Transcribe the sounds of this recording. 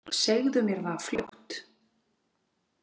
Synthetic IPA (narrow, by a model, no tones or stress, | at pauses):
seɣðʏmjɛɾvaflowht̪